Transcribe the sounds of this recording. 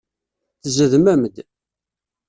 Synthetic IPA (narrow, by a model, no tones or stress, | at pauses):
θəzəðmæmd̪